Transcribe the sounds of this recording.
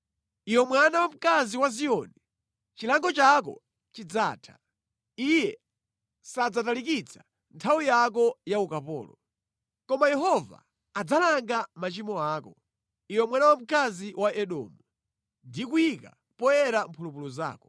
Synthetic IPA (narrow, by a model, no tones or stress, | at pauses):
iwɛmwanawam̩kaziwaziɔni | t͡ʃilaŋɡɔt͡ʃak̬ɔ̰ | t͡ʃid͡zaːtʰḁ̰ | ijɛ | sad͡zatalikit͡sʰḁ | ntʰawijak̬ɔjaukapɔ̰ːlɔ | kɔmajɛɦɔva̰ː | d͡zalaŋɡamat͡ʃimɔaːkɔ | iwɛmwanawam̩kaziwʔaʔɛɗɔ̰ːmu | ndikuika | pɔjɛɾam̩pʰulupuluza̰ːkɔ̥